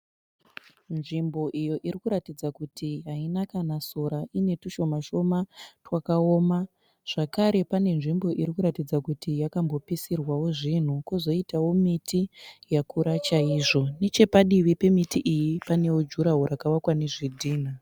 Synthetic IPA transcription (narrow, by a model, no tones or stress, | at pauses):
nʐimbo̞ʔijo̞ʔirikuɾatid͡zakutʰiɦainakanasoɾaʔine̞tuʃo̞maʃo̞matwakaoːma | ʐ̥akaɾe̞pane̞nʐimbo̞ʔiɾikuɾatid͡zakutijakambo̞pisirwawo̞ʐin̤ukuzo̞itawo̞mitʰijakuɾat͡ʃaiʐo̞ne̞t͡ʃe̞paɗiʋipe̞mitiʔijipane̞wod͡ʒuɾaɦoɾakawakwaneʐidʱiːn̤a